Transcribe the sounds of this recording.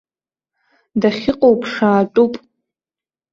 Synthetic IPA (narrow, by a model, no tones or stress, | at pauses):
daχʲɪqʼowpʰʼʂaːʈ͡ʂʼupʼ